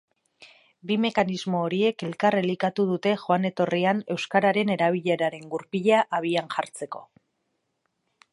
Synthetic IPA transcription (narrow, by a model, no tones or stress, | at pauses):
bime̞kanizmo̞ːɾie̞ke̞lkarelikat̪uðut̪e̞xoane̞t̪o̞riane̞wskaɾaɾe̞ne̞ɾaβ̞iʎe̞ɾaɾe̞ŋɡuɾpiʎaʔaβ̞ianʝaɾt͡se̞ko̞